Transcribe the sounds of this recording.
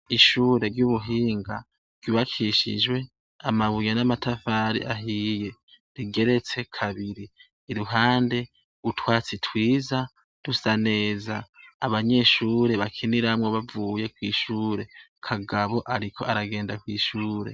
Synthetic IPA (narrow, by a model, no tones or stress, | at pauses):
iʃuːɾe̞ɾɟuːβuɦiːŋɡa | v̥juːβakʰiʃḭd͡ʒwe̞ | amaβujenamatafaːɾḭʔaɦiːje̞ | ɾiɡe̞ɾe̞t͡se̞kʰaβiɾiː | ɾuɦaːnde̞ | utwaːt͡sitwiːza | d̥usane̞ːzaːβaɲe̞ʃuːɾe̞βakʰiniɾamŋoβavuːje̞kwiːʃuːɾe̞kʰaɡaβo̞ʔaɾikʰo̞aɾaɡe̞ːndakwiːʃuːɾe̞̰